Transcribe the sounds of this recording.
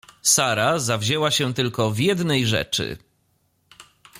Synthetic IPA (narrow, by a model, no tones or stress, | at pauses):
saɾazavʑɛwaɕɛ̃t̪ɘlkɔvʲjɛd̪nɛjʐɛ̰t͡ʂɘ̰